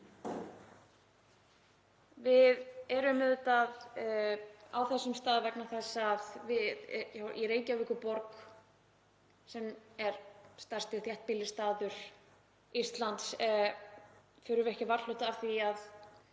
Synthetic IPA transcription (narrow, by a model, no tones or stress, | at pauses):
vɪðɛɾʏmɪðʏt̪að | a̰wθɛsːʏmst̪aːðvɛknaθɛsːaðvɪðjawʔḭɾeːjcavɪhkʏpɔɾk | sɛmɛɾ̥st̪ar̥st̪ɪθjɛht̪̚pɪlːɪst̪aːðʏɾ̥ | ist̪lant̪s | fʏɾʏvɛhcɪvaɾl̥oːt̪aavθiað